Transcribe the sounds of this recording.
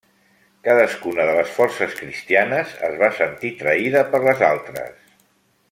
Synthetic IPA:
kaðəskunəðələsfɔrsəskɾist̪ianəzə̰zβasənt̪it̪ɾəiðəpəɾləzalˠt̪ɾə̰s

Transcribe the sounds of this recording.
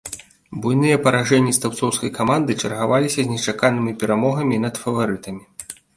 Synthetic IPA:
bujnɨjɐpɐɾaʐɛnʲːist̪awt̪sɔwskɐjkamand̪ɨt͡ʂɐrɣavalʲisʲɐzʲnʲɛt͡ʂakanɨmʲipʲɛɾamɔɣɐmʲinɐt̪fɐvaɾɨt̪ɐmʲi

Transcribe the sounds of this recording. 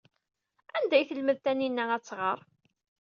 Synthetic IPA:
ænd̪æjθəlməðt̪æninːææt͡sːʁəɾˤ

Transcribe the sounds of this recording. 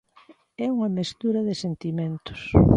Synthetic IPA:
ɛuŋɐmest̪uɾɐðɪsent̪imẽnt̪ʊ̥s

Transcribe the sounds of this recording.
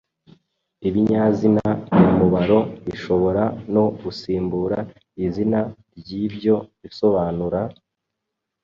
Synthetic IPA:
iβiɲazinajamuβaɾo̞βiʃo̞βo̞ɾano̞ɡusiːmbuːɾa | izinaɾɟibɟo̞βiso̞βaːnuɾa

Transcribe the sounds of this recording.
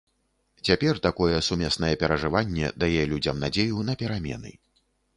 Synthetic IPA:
t͡sʲapʲɛrt̪akɔjɛsumʲɛsn̪ɐjɛpʲɛɾɐʐɨvanʲːɛ̰d̪ajɛlʲud͡zʲɐmnad͡zʲejun̪ɐpʲɛɾamʲɛ̰nɨ̰

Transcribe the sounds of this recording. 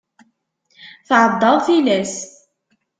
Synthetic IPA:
θɑʕɑd̪ˤːɑɾˤθilæs

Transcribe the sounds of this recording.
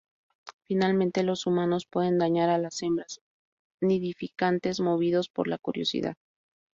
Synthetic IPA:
finalmẽ̞nt̪e̞lo̞sumano̞spwe̞ðe̞nd̪aɲaɾalase̞mbɾas | neðifikant̪e̞zmo̞β̞iðo̞spo̞̰ɾlakuɾjo̞̰sḭða̰ð

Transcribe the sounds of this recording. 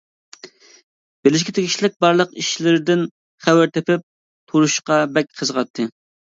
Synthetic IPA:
b̥elɪʃ̬kʲit̪ʰekʲʰi̥ʃlɪk̚ʲbɑɾlˠəqiʃlɪɾɪd̪ɪn | χæwɪɾt̪ʰepɪp̚ | t̪ʰuɾuʃqɑbɛk̚ʲqʰəzʁɑt̪ʰːɨ

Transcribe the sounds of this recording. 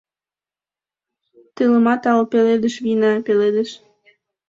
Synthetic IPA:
t̪ələmɑt̪ɑlpeled̪əʃβinɑpeled̪eʃ

